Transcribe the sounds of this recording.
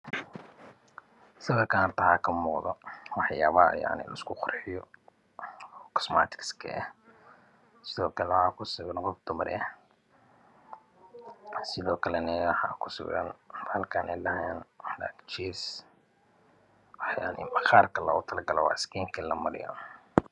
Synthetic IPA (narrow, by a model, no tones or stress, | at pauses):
sɐɣɐkʰanrt̪ʰɐhakʰɐmuːqðɔwɑħjaːβaːja̰ʕnɪ̰lɐ̰ɪskʰʊqʊrħɪjɔ | kʰɔ̥sma̰ːt̪ʰɪ̥kskʰɐ̰ɛ | sɪðɔːkʰɐlɛwħɑːkʰʊsʊɣɐnqɔfd̪ʊmɐɾ̰ɛ | sɪðɔːkʰɐlɛnɐwɑħɑ̰ːkʰʊ̥sʊ̰ɣɣɐ̰nhɐlkʰaːnʔɛ̰jlɐɦɛnla̰ːkt͡ʃiːs | wɑħjaːʕnɪ̰mɐxaːrkʰɐlɐɣʊt̪ʰɐlɐɡɐlɔwɑ̰ʕɪskʰiːŋkʰɐlɐmɐɾɪ̰jɔ̰